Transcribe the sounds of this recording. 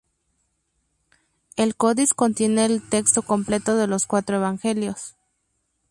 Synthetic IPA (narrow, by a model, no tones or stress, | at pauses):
e̞lko̞ðisko̞nt̪je̞ne̞ːlt̪e̞kst̪o̞ko̞mple̞t̪o̞ðe̞lo̞skwat̪ɾoe̞βaŋxe̞ljo̞s